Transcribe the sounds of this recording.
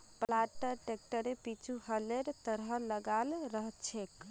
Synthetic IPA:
plaʈəɾʈek̚ʈəɾepit͡ʃʰuhəleɾt̪əɾɦələɡalɾəɦt͡ʃʰek

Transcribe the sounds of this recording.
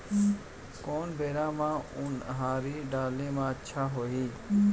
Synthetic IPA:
koːnbeːɾãːmãːʊnɦãːɾiːɖaːlẽːmãːətːʃʰaːɦoːɦiː

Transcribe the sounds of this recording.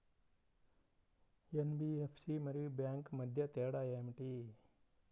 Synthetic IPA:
jenbiefʰsimɐɾiːbjaːŋkmɐd̪ʱjɐt̪eːɽaemʈiː

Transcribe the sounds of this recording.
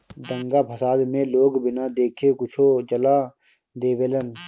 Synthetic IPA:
d̪ə̃ŋɡaːpʰəsaːd̪mẽloːɡbɪnaːd̪eːkʰekʊt͡ʃʰod͡ʒəlaː | d̪eːʋeːlən

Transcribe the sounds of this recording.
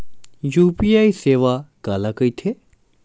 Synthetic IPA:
juːpiːaːiseːʋakaːlakəit̪ʰe

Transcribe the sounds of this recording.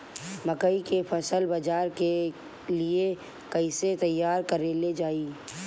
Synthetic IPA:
mɐkəikepʰɐsəlbɐd͡ʒaːɾke | lie | kɐɪset̪ɐjːaːɾkəɾeled͡ʒaːiː

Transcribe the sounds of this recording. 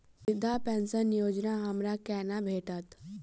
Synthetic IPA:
ɪd̪ʱːapɛ̃ːnsənjoːd͡ʒnaɦɐmɾakɛːnabʱeːʈət̪

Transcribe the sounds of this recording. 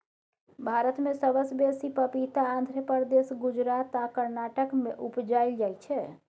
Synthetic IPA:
bʱaɾət̪mesəbəsbesipəpit̪aːnd̪ʱɾjəpəɾd̪esɡud͡ʒɾat̪akəɾnaʈəkmeʔupd͡ʒajld͡ʒajt͡ʃʰɛ

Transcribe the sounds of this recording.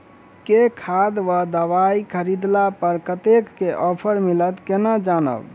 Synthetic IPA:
kekʰad̪ʋad̪əʋaikʰəɾid̪lapəɾkət̪ekːeʔɔpʰəɾmilət̪kenad͡ʒanə̰b

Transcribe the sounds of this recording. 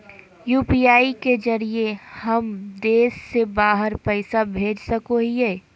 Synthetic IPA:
juːpiaːiked͡ʒɐɾiehɐmd̪eːsːebaːɦəɾpəɪsabʱeːd͡ʒsɐkoɦiɦɛː

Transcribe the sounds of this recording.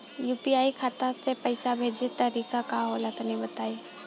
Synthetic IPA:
juːpiaːikʰaːt̪asepɐɪsabʱeːd͡ʒet̪əɾiːkakaɦolat̪nibɐt̪aːi

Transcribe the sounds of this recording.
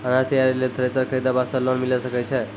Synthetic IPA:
anast̪əjaɾilet̪ʰəɾesəɾkʰəjd̪abast̪əlonmiləsəkət͡ʃʰe

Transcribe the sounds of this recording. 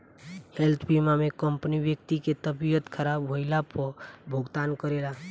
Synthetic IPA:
helt̪ʰbimamekəmpnibjək̚t̪iket̪əbijət̪kʰəɾabɦoɪlapəbʱoɡt̪ankəɾela

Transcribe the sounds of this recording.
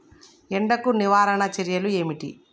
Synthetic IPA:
ɛɳɖɐkuniʋaːɾɐɳɐt͡ʃeɾjɐlue̞ːmiʈḭ

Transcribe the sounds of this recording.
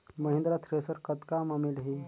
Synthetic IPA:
məɦĩnd̪ɾat̪ʰɾesəɾkət̪kamamilɦi

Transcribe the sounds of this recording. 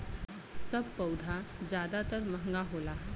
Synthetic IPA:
sɐb̚pɐʊd̪ʱad͡ʒjaːd̪at̪əɾmɐ̃ɦŋɡaɦoːlaː

